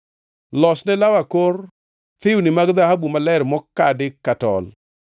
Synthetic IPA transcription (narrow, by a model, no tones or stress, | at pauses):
lɔsnɛlawakor | t̪ɪwnɪmaɡðahabumalɛɾmɔkadɪkatɔ̰l